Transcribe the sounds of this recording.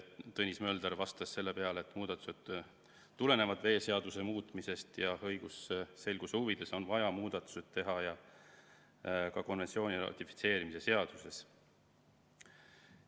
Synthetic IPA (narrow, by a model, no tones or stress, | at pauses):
t̪ɤnʲismø̞ːld̪eɾvɑst̪ɑsːe̞lːe̞pe̞ɑleːt̪ːˑmuːd̪̥ɑt̪ːˑu̥sed̪̥ | t̪ːule̞ne̞vɑd̪ve̞ːse̞ɑd̪̥use̞muːt̪ˑmise̞st̪jɑhɤjɡ̥usse̞lɡ̥usuvid̪̥e̞so̞nvɑjɑmuːd̪̥ɑt̪ːˑu̥se̞d̪̥̚t̪e̞ɦɑjɑ | kɑko̞nvensio̞ːnʲirɑ̰t̪ʲifi̥t̪se̞ːɾimise̞se̞ɑd̪̥use̞s